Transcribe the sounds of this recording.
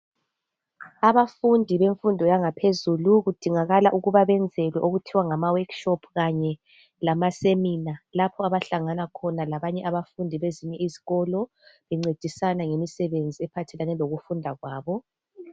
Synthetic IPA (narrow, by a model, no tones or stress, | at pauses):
aβafundʱiβeɱfundʱɔjaŋapʰezuluɣud̥ʱiŋaɣalaʔuɣuβaβɛnd͡zʱɛlwɛʔoɣutʰiwaŋamawakʃɔpʰɣaɲɛ | lamasemiːnalapʰɔaβaɬaŋanakʰɔnalaβaɲɛʔaβafundʱiβeziɲɛiziɣɔlɔ | βɛŋ͡ǀed̥ʱisanaŋemisɛβend͡zʱiɛpʰatʰɛlanɛloɣufundʱaɣwaːβɔ